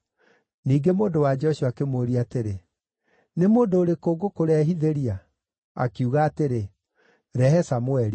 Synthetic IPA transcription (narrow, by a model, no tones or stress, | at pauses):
niːɡemoːndowad͡ʒɛɔɕiakemoɾiateɾe | nemoːndoːɾekoːɡokoɾɛɦiðeɾia | a̰kuɣaːteɾe | ɾɛhɛsamwɛɾi